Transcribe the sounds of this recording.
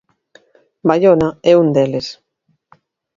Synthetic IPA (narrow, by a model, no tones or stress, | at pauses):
baʎonaɛund̪eles